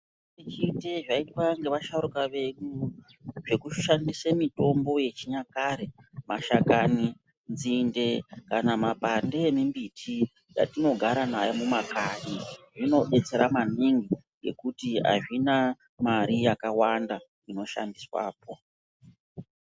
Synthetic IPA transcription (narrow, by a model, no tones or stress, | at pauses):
it͡ʃiteʐaitwaŋɡe̞ʋaʃaɾukaʋe̞ɗu | ʐe̞kuʃandisemito̞mbo̞je̞t͡ʃiɲakaɾemaʃakani | nd͡zinde̞kanamapandeemimbitʰi | ja̰tino̞ɡʱaɾanajomumakaniʐino̞ɓe̞t͡se̞ɾamaniŋɡiŋɡe̞̰kutia̰ʐina | maɾijakawanda | ino̞ʃa̰ndiswa̰ːp̚o